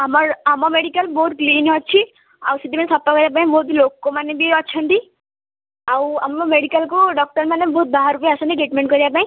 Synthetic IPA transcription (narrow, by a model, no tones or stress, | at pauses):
amɔɾamɔmeɽikalbɔɦut̪̚kliːnɦɔt͡ʃʰi | a̰wsiʈimanesɔp̚t̪ɔkɔɾijap̬aĩbɔɦut̪lokːɔmanebiɔt͡ʃʰɔnʈ̪i | awamɔmeɽikalkuɖɔk̚ʈɔɾmanebɔɦut̪̚baɦaɾupjaasɔniɡeʈmeɳʈkɔɾiapaĩ